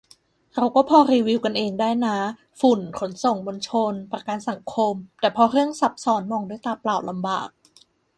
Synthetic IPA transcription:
ɾa˧wkɔː˥˩pʰɔː˧ɾiː˧wi˧wka˧nʔeː˧ŋdaː˥˩jna˦˥ | fu˨˩nkʰo˩˦nso˨˩ŋmo˧nt͡ɕʰo˧npɾa˧kaː˧nsa˨˩˦ŋkʰo˧mt̪ɛː˨˩pʰɔ˧ɾɯ˥˩əŋsa˦˥p̚sɔː˨˦nmɔː˧ŋdu˥˩jt̪aː˧plaː˨˩w̚la˧mba̰ː˨˩k̚

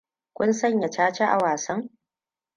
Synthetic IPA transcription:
kʷʊ˦nsɐ˦ɲja˨t͡ʃaː˦t͡ʃe˦ʔa̰˨waː˨sɐ˦ŋ

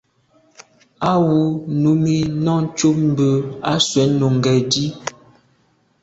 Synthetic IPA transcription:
a˦wu˨˦nu˨˦mi˦nɔ˦t͡ʃu˦p̚m˦bə˨a˦swɛ˨˦no˨ŋ˨ɡɛ˨di˦

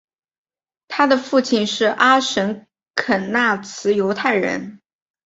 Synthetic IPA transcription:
t̪ʰa˥d̪ə˨fu˥˩t͡ɕʰi˥˧nʂɻ̩˥˩ʔa˥ʂə˧˥n | kʰə˨˩nna˥˩t͡sʰɹ̩˧˥jo˧˥ʊt̪ʰa˥˩ɪɻə̰˧˥n

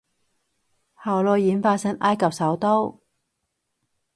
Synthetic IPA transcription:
haː˨˩wlɔː˧jjiː˨˥nfaː˧sɐ˥nʔaː˥jkɐ˨p̚sɐ˨˥wt̪o˥w

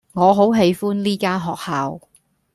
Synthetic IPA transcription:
ŋɔː˨˧ɦo˨˥wɦe˨˧jfuː˥nliː˥kaː˥nɦɔː˨k̚haː˨˧w

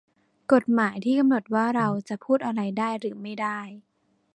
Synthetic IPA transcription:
ko˨˩t̪̚maː˩˦jt̪ʰiː˥˩a˧mno˨˩t̪̚waː˥˩ɾa˧wt͡ɕa˨˩pʰuː˥˩t̪̚ʔa˧ɾa˧jdaː˥˩jɾɯː˩˦ma˥˩jdaː˥˩j

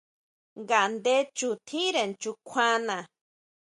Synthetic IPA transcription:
ŋɡa˨˧nd̪e˦t͡ʃu˧t̪ʰĩ˦ɾe˨nt͡ʃu˧kʷʰã˦nã˨

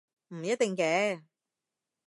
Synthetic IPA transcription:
m̩˨˩jɐ˥t̚t̪ɪ˨ŋkɛː˨˧˥

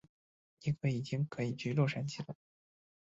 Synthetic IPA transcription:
ni˥˩kʰɤ˧˥i˨˩t͡ɕi˥ŋkʰɤ˧˥i˨˩t͡ɕy˥˧lwɔ˥˩ʂa˧˥nt͡ɕʰi˨˩lə˧˦

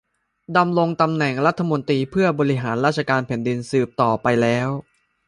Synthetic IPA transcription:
da˧mɾo˧ŋt̪a˧mnɛ˨˩ŋɾa˦˥t̪ʰːa˧mo˧nt̪iː˧pʰɯ˥˩ɐbɔː˧ɾi˦˥ɦaː˩˦nɾaː˥˩t̪̚t͡ɕʰa˧kaː˧npʰɛ˨˩˦ndi˧nsɯː˨˩p̚t̪ɔː˨˩pa˧jlɛː˦˥w

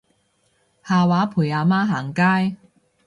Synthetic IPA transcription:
haː˨˧waː˨˥pʰuː˨˩jaː˨˧maː˥ɦaː˨˩ŋkaː˥j

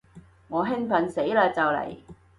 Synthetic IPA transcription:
ŋɔː˨˧ɦɪ˥ŋfɐ˨nse˨˥jlaː˧t͡sɐ˨wlɐ̰˨˩j

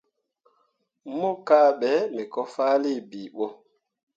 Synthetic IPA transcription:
mu˦ka˦˨ɓɛ˨˦mɛ˨kɔ˦faː˦li˦˨bi˨ɓo˦

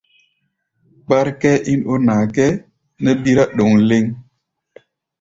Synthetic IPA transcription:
k͡pa˦ɾkɛ˦ʔi˦no˦naː˨kɛ˦ | nə˦bi˦ɾa˦ɗo˨ŋle˦ŋ

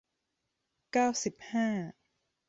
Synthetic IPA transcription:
kaː˥˩wsi˨˩p̚haː˥˩

